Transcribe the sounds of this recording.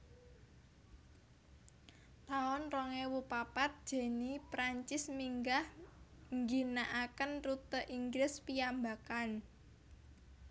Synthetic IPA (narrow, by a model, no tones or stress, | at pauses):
t̪aʊnrɔŋewupapat̪̚d̥ʒ̥e̤nipɾaɲt͡ʃɪsmiŋɡahŋɡinaʔakənrut̪əʔiŋɡlɪspiambakan